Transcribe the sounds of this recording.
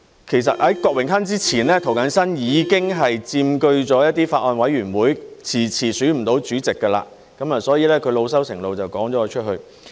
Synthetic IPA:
kʰe˨˩js̬ɐ˨t̚hɐ˨˥jkɔː˧k̚wɪ˨˩ŋsɐ˥nt͡siː˥t͡sʰiː˨˩nlɛː˥t̪ʰo˨˩wkɐ˨˥nsɐ˥njiː˨˧kɪ˥ŋɦɐ˨jt͡siː˧mkɵ˧ɥt͡sɔː˨˥jɐ˥t̚t̪iː˥faː˧t̚ʔɔː˧nwɐ˨˥jɥyː˨˩nwuː˨˥jt͡sʰiː˨˩t͡sʰiː˨˩sy˨˥m̩˨˩t̪o˨˥wt͡syː˨˥t͡sɪ˨kːə˧la̰ː˧ | kɐ˨˥maː˨sɔː˨˥jiː˨lɛː˥kʰɵ˨˧ɥlo˨˧wsɐ˥wsɪ˨˩ŋlo˨wt͡sɐ˨wkɔː˨˥ŋɔː˨˥˧t͡ʃʰɵ˥t̚ɦɵ˧ɥ

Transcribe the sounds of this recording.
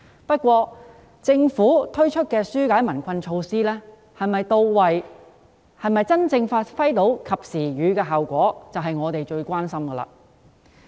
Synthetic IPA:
pɐ˥t̚kʷɔː˧ | t͡sɪ˧ŋfuː˨˥t̪ʰɵ˥ɥt͡ʃʰɵ˥t̚kɛː˧syː˥kaː˨˥jmɐ˨˩nkʷʰɐ˧nt͡ʃʰo˧wsiː˥lɛː˥ | hɐ˨jmɐ˨jt̪o˧wwɐ˨j | hɐ˨˩jmɐ˨jt͡sɐ˥nt͡sɪ˧ŋfaː˧tfɐ˥jt̪o˨˥wkʰɐ˨p̚siː˨˩ɥyː˨˥kɛː˧ɦɐ˨wkʷɔː˨˥t͡sɐ˨wɦɐ˨jŋɔː˨˧t̪e˨jt͡ʃɵ˧ɥkʷaː˥nsɐ˥mɡɐː˧la̰ː˧˩

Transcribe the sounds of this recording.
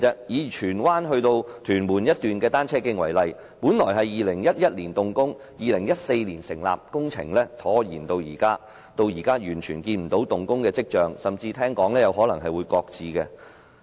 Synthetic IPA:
ɛ˧k̚jiː˨˧t͡ʃʰyː˨˩nwaː˥nɦɵ˧ɥt̪o˧wt̪ʰyː˨˩nmuː˨˩njɐ˥t̚t̪yː˨nkɛː˧t̪aː˥nt͡sʰɛː˥kɪ˧˥ŋwɐ˨˩jlɐ˨j | puː˨˥nlɔː˨˩jɦɐ˨jjiː˨lɪ˨˩ŋjɐ˥t̚jɐ˥t̚liː˨˩nt̪ʊ˨ŋkʊ˥ŋ | jiː˨lɪ˨˩ŋjɐ˥t̚se˧jliː˨˩nsɪ˨˩ŋla̰ː˨p̚kʊ˥ŋt͡sʰɪ̰˨˩ŋlɛː˥t̪ʰɔː˨˥jḭː˨˩nt̪o˧wjiː˨˩kaː˥ | t̪o˧wjiː˨˩kaː˥jyː˨˩nt͡ʃʰyː˨˩nkiː˧nm̩˨˩t̪o˨˧˥wt̪ʊ˨ŋkʊ˥ŋkɛː˧t͡sɪ˥k̚t͡ʃœː˨˧ŋsɐ˨mt͡siː˧t̪ʰɛː˥ŋkɔː˨˥ŋlɛː˥jɐ˨˧whɔː˨˥lɐ˨˩ŋɦɐ˨jwuː˨˧jkɔː˧k̚t͡siː˨˧kɛ˧

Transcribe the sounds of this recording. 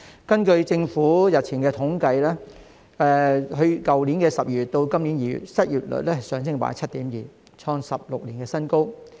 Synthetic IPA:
kɐ˥nkɵ˧ɥt͡sɪ˧ŋfuː˨˥jɐ˨t̚t͡sʰiː˨˩ŋkɛː˧t̪ʰʊ˨˥ŋkɐ˧jlɛː˥ | ʔɛː˨˧ɦɵ˧ɥkɐ˨wliː˨˥nkɛː˧sɐ˨p̚jyː˨˩t̚t̪o˧wkɐ˥mliː˨˥njiː˨˧jy̰˨˩t̚sɐ˥t̚jyː˨t̚lɵ̰˨˩t̚lɛ˥hsœː˨˥ŋs̬ɪ˥ŋpa̰ː˨˥t͡sʰɐ˥t̚t̪iː˨˥mjiː˨˩ | t͡sʰɔː˧ŋsɐ˨p̚lʊ˨k̚liː˨˩nkɛː˧sɐ˥nko˥w

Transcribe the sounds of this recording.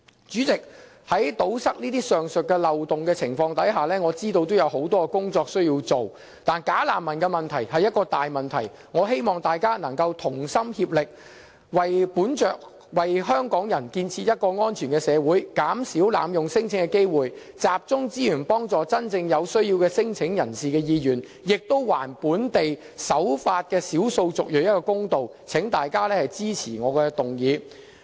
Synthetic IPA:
t͡ʃyː˨˥t͡sɪ˨k̚ | hɐ˨˥jt̪o˨˥wsɐ˥k̚niː˥t̪iː˥sœː˨ŋsɵ˨t̚kɛ˧lɐ˨wt̪ʊ˨ŋkɛː˧t͡sʰɪ˨˩ŋfɔː˧ŋt̪ɐ˨˥jɦaː˨˩lɛː˥ŋɔː˨˧t͡siː˥t̪o˧wt̪o˥wjɐ˨˧wɦo˨˥wt̪ɔː˥ɛ˧kʊ˥ŋt͡sɔː˧k̚sɵ˥ɥjiː˧wt͡so˨w | t̪aː˨˩nkaː˨˥laː˨˩mːɐ˨˩nkɛ˧mɐ˨nt̪ʰɐ˨˩jhɐ˨jɐ˥t̚kɔː˧t̪aː˨jmɐ˨nt̪ʰɐ̰˨˩j | ŋɔː˨˧ɦe˥jmɔː˨ŋt̪aː˨jkaː˥nɐ˨˩ŋkɐ˧wt̪ʰʊ˨˩ŋsɐ˥mhiː˧p̚lɪ˨k̚ | wɐ˨jpuː˨˥nt͡ʃœː˨k̚ | wɐ˨jɦœː˥ŋkɔː˨˥ŋjɐ˨˩nkiː˧nt͡sʰiː˧jɐ˥t̚kɔː˧ŋɔː˥nt͡ʃʰyː˨˩nkɛ˧sɛː˨˧wuː˨˥jkaː˨˥msi˨˥wla̰ː˨˧mjʊ˨ŋsɪ˥ŋt͡sʰɪ˨˥ŋkɛ˧ke˥jwuː˨j | t͡saː˨p̚t͡sʊ˥ŋt͡siː˥jyː˨˩npɔː˥ŋt͡sɔː˨t͡sɐ˥nt͡sɪ˧ŋjɐ˨˧wsɵ˥ɥjiː˧wkɛː˧sɪ˥ŋt͡sʰɪ˨˥ŋjɐ˨˩nsiː˨kɛː˧jiː˨˧jyː˨˩n | jɪ˨k̚t̪o˥wwaː˨˩npuː˨˥nt̪e˨j | sɐ˨˥wfaː˧t̚kɛː˧siː˨˥wso˧wt͡sʊ˨k̚jœ˨˥jɐ˥t̚kɔː˧kʊ˥ŋt̪o˨w | t͡sʰɪ˨˥ŋt̪aː˨jkaː˥lɛː˥hɐ˨jt͡siː˥t͡sʰiː˨˩ŋɔː˨˧kɛː˧t̪ʊ˨ŋjiː˨˧

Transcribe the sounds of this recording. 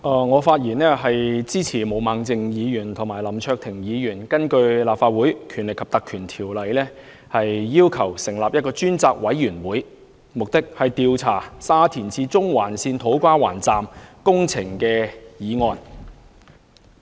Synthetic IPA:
ʔaː˨˩ŋɔː˨˧faː˧t̚jiː˨˩nɛː˥ɦɐ˨jt͡siː˥t͡sʰiː˨˩mo˨˧wmaː˨˧ŋt͡sɪ˧ŋjiː˨˧jyː˨˩nt̪ʰʊ˨˩ŋmaː˨˩jlɐ˨˩mt͡ʃʰœː˧k̚t̪ʰɪ˨˩ŋjiː˨˧jyː˨˩nkɐ˥nkɵ˧ɥlaː˨pfaː˧t̚wuː˨˥jkʰy˨˩nlɪ˨kʰːɐ˨˩pt̪ɐ˨kʰyː˨˩nt̪ʰiː˨˩wlɐ˨˧jlɛː˥ | hɐ˨jːiː˥wkʰɐ˨˩wsɪ˨˩ŋlaː˨p̚jɐ˥t̚kɔː˧t͡ʃyː˥nt͡saː˧k̚wɐ˨˥jːyː˨˩nwuː˨˥j | mʊ˨k̚t̪ɪ˥k̚hɐ˨jt̪iː˨wt͡sʰaː˨˩saː˥t̪ʰiː˨˩nt͡siː˧t͡sʊ˥ŋwaː˨˩nsiː˧nt̪ʰo˨˥wkʷaː˥wa̰ː˨˩nt͡saː˨mkʊ˥ŋt͡sʰɪ˨˩ŋkɛː˧jiː˨˧ŋɔː˨˧n

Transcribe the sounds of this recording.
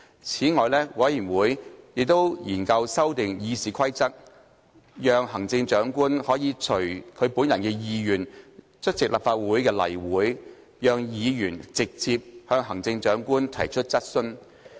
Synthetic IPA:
t͡sʰiː˨˥ŋɔː˨jlɛː˥wɐ˨˥jjiː˨˩nwuː˨˥jjɪ˨k̚t̪o˥wjiː˨˩nkɐ˧wsɐ˥wt̪ɪ˨ŋjiː˨˧siː˨˧kʰɐ˥jt͡sɐ˥k̚ | jœː˨˧ŋhɐ˨˩ŋt͡sɪ˧ŋt͡ʃœː˨˥ŋkuː˥nhɔː˨˥jiː˨˧t͡ʃʰɵ˨˩ɥkʰɵ˨˧ɥpuː˨˥njɐ˨˩nkɛː˧jiː˨˧jyː˨˩n | t͡ʃʰɵ˥t̚t͡sɪ˨k̚laː˨˩pfaː˧t̚wuː˨˥jkɛː˧lɐ̰˨˩jwuː˨˥j | jœː˨˧ŋjiː˨˧jyː˨˩nt͡sɪ˨k̚t͡siː˧p̚hœː˧ŋɦɐ˨˩ŋt͡sɪ˧ŋt͡ʃœː˨˥ŋkuː˥nt̪ʰɐ˨˩jt͡ʃʰɵ˥t̚t͡sɐ˥t̚sɵ˥n

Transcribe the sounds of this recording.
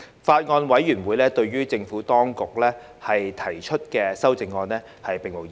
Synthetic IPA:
faː˧t̚ŋɔː˧nwɐ˨˥jyː˨˩nwuː˨˧jlɛː˥t̪ɵ˧ɥɥyː˥t͡sɪ˧ŋfuː˨˥t̪ɔː˥ŋkʊ˨k̚lɛː˥ | hɐ˨jt̪ʰɐ˨˩jt͡ʃʰɵ˥t̚kɛː˧sɐ˥wt͡sɪ˨˧ŋːɔː˧nlɛː˥ | hɐ˨jpe˨ŋmo˨˩w

